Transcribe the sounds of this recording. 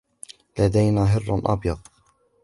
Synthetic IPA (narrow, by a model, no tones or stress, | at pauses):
lad̪ajnaːɦɪr̰ːnʔɑ̰bjɑð̚ˤ